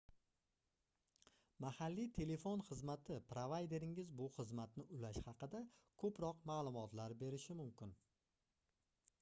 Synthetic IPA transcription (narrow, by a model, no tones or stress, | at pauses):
mahalːit̪ʰe̞le̞fonχɨzmat̪ʰɪpɾovajd̪e̞ɾɪŋɪzbʊχɨzmat̪nɪʔʊlaʃhɑqɨd̪akʰɵpɾɒqmaːlˠʊmɒt̪laɾbe̞ɾɪʃɪmʊmkʲɪn